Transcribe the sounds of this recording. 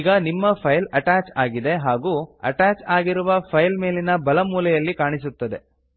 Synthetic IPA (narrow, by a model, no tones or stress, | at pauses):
ɡɐnimːɐpʰɐjlɐʈaːt͡ʃaːɡid̪e̞ɦaːɡuːɐ̰ʈaːt͡ʃaːɡiɾuʋɐpʰɐjlmeːlinɐbɐlɐmuːlɛjɐlːikaːɳis̬ut̪ːɐd̪e̞